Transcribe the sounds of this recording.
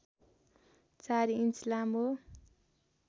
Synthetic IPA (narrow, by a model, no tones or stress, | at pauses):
t͡saɾiinslamo